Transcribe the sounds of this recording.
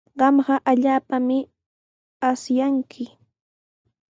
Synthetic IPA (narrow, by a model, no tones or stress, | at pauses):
ɢɑmɢɑʔaʎaːpamɪ | asjaŋkʰɪ